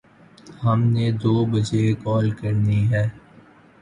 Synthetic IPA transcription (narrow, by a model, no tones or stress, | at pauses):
hɐmned̪oːbɐd͡ʒekɔːlkɐɾniɦɛː